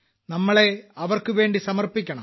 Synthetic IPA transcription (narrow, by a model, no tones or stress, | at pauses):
nɐmːɐɭe̞ɐʋɐrkɨʋe̞ːɳɖisɐmɐrpikʲːɐɳɐ̰m